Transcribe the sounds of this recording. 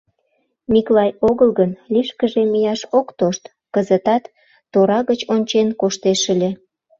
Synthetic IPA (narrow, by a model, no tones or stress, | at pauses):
miklɑjoɣəlɣənliʃkəʒemijɑʃokt̪oʃt̪ | kəzət̪ɑt̪ː | oɾɑɣət͡ɕonʲt͡ɕenkoʃt̪eʃə̆lʲĕ